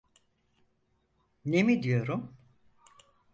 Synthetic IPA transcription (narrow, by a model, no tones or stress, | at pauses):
ne̞mid̪ijo̞ɾum